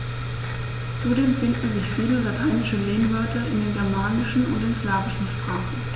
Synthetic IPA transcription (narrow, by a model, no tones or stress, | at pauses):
t͡sudeːmfɪndn̩zɪçfiːləlatʰaɪnɪʃəleːnvœɐtʰɐɪndeːnɡɛɐmaːnɪʃn̩ʊ̰ndɐdɪnslaːvɪʃn̩ʃpʁ̥aːχn̩